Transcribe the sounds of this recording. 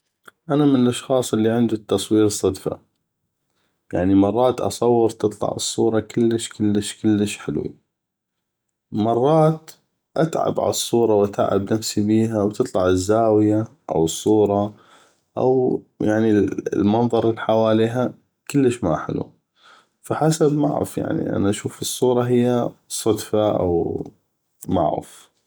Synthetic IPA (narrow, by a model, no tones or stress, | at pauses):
ʔanamɪnəlʔɑʃxɑːsˤʔɪlːiʕɪnd̪it̪ːɑsˤwiːɾsˤɑd̪fa̰ | jaʕnimɑrˤːɑːt̪ʔɑ̰sˤɑwːəɾt̪ɨt̪ˤlɑ̰ʕɨsˤːuːɾˤɑkəlːəʃkəlːəʃkəlːəʃħɪlwḭ | mɑrˤːɑːt̪ | ʔat̪ʕa̰bʕa̰sˤːuːɾˤɑwʔat̪a̰ʕa̰bnafsibiːɦawt̪ɨt̪ˤlɑʕəzːaːwɪjaʔa̰wɨsˤːuːɾˤɑ | ʔa̰wjaʕnilmɑnðˤɑɾˤɪlħawaːliːɦa | kəlːəʃma̰ħɪ̰lwṵ | faħasabma̰ʕɾɪ̰fja̰ʕnḭʔa̰naʔaʃuːfɨsˤːuːɾˤɑɦɪjːasˤɑd̪faʔa̰w | ma̰ʕɾɪ̰f